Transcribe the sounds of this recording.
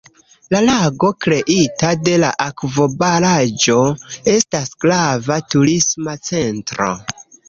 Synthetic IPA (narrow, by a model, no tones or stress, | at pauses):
lalaɡo̞kɾe̞ʔitade̞laʔakvo̞baɾad͡ʒo̞e̞stasɡ̥lavatuɾismat͡se̞ntɾo̞̰